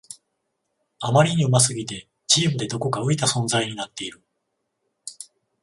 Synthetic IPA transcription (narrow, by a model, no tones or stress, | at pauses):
amaɾʲiɲ̟iɯ̟mas̬ɨɡʲit̪e̞ | t͡ɕiːmɯ̟d̪e̞d̪o̞ko̞kaɯ̟it̪asõ̞ñzaiɲ̟inat̪ːe̞iɾɯ̟